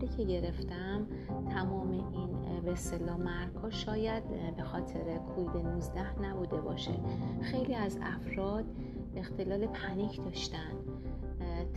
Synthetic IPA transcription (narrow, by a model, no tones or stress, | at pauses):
ɾiːcʰe̞ɟe̞ɾe̞ft̪æm | t̪ʰæmɒːme̞ʔinbest̪e̞lɒːmæɾɡhɒːʃɒːjæd̪̥be̞xɒːt̪ʰe̞ɾekʰoviːd̪enuzd̪æhnæbuːd̪e̞bɒːʃexe̞jliːæzæ̰fɾɒːd̪̥̚ | e̞xt̪e̞lɒːle̞pʰænicʰd̪ɒːʃt̪æn